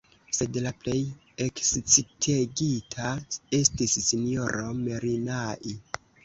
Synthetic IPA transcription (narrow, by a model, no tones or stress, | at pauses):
se̞dlaple̞j | ekst͡sitʰeɡitʰae̞stisːinjo̞ɾo̞me̞ɾinaʔi